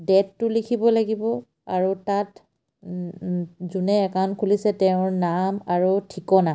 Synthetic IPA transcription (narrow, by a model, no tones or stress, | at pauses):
dɛtːʊlikʰibɔlaɡibɔ | aɹutat | zunɛːkankʰulisɛtɛʊ̃ɹnamaɹutʰikɔna